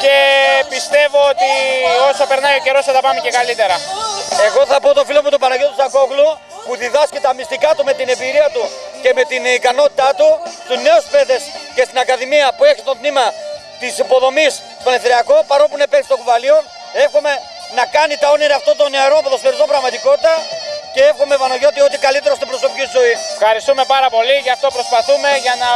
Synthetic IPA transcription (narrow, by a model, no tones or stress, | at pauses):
ce̞pist̪e̞vo̞ot̪io̞sɐpe̞ɾnɐjoce̞ɾo̞set̪ɐpɐmecekɐlit̪e̞ɾɐe̞ɣo̞θɐpo̞t̪o̞filomut̪opɐnɐʝot̪usɐko̞klu | puðiðɐscet̪ɐmist̪ikɐt̪ume̞t̪inembiɾiɐt̪uce̞me̞t̪inikɐno̞t̪i̥t̪ɐt̪ust̪uzne̞uspeðe̞sce̞st̪inɐkɐðimiɐpue̞çi̥st̪od̪nimɐ | t̪isipo̞ðo̞mist̪o̥eleθeɾiɐko̞pɐɾopunepe̞ksi̥t̪okuvɐlio̞ | e̞xome̞ | nɐkɐnit̪ɐo̞niɾɐːft̪ot̪o̞neɐɾo̞ɐpot̪ost̪eɾizobɾɐɣmɐt̪iko̞t̪i̥t̪ɐcee̞fxome̞vɐnoʝo̞t̪io̞t̪ikɐlit̪e̞ɾo̞st̪obɾo̞so̞picit̪zoifxɐɾist̪ume̞pɐɾɐpo̞liʝɐft̪o̞pɾo̞spɐθume̞ʝɐnɐ